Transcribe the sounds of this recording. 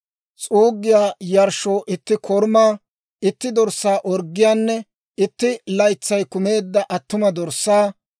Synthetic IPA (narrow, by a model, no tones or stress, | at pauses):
t͡sʼuːɡːɪjaːjɐɾʃo̞ːʔɪt̪ːɪkʰɔɾmaː | ɪt̪ːɪd̪ɔɾsːaːʔɔɾɡːɪjaːnːɛ | ɪt̪ːɪlɐjt͡sːɐjkʊme̞ːd̪ːɐʔɐt̪ːʊmɐd̪ɔɾsːaː